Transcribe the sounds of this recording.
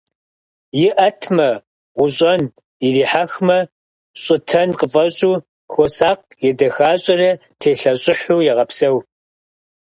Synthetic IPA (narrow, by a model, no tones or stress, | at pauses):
jɪʔɐtʰmɐ | ʁʷʊɕʼɐn | iriːħaxmɐ | ɕʼɪtʰɐnqəfʼɐɕʼuː | xosaːq̚ | jɛdɐxaːɕʼɐrɐtʰeːɬɐɕʼɪħuːjɛʁɐpsɐw